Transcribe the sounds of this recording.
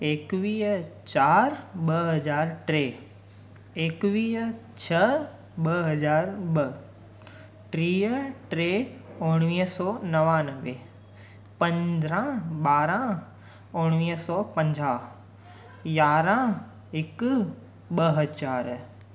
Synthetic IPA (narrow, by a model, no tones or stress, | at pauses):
eːkʋiːɦt͡ɕaːɾɓɐɦɐzaːɾʈɾe | eːkʋiːɦ | t͡ɕʰɐ | ɓɐɦɐzaːɾɓɐ | ʈɾiːəʈɾeʊɽ̃ʋiːɦsɔːnɐʋanəʋe | pɐ̃ɲd̪ɾãɓaːɾã | ʊɽ̃ʋiːɦsɔːpɐ̃ɲd͡ʑaː | jaːɾã | ɪk | ɓɐɦɐd͡ʑaːɾ